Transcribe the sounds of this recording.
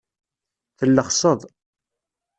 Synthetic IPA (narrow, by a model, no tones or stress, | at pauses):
θəlːəχsˤəðˤ